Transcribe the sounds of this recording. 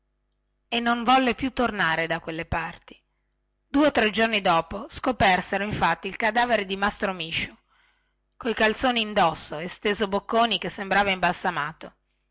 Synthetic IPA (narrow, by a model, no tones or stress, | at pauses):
enːoɱvɔlːepjut̪ːornaːɾed̪akwelːepart̪i̥ | d̪uːeot̪ːɾɛd͡ʒornid̪ɔːposkopɛrseɾoiɱfat̪ːiːlkad̪aːveɾed̪imast̪ɾomiːʃu | kojkalt̪soːniːnd̪ɔsːoest̪eːzobokːoːnikesːembɾaːvaimbasːamaːt̪o